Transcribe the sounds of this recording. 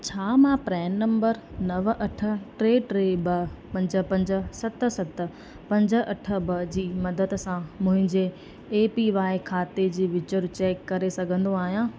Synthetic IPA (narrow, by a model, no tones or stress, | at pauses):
t͡ɕʰaːmãpɾɛːnnɐ̃mbəɾnɐʋʔɐʈʰə̆ʈɾeːʈɾeːbɐpɐ̃ɲd͡ʑə̆pɐ̃ɲd͡ʑə̆sɐt̪sɐt̪ə̆ | pɐ̃ɲd͡ʑə̆ɐʈʰə̆bɐd͡ʑiːmɐd̪əd̪sãmʊ̃ɦɪ̃ɲd͡ʑeː | piʋaːɪkʰaːt̪ed͡ʑiːʋɪt͡ɕəɾt͡ɕeːkːɐɾesɐɡʱə̃nd̪oaːɦijãː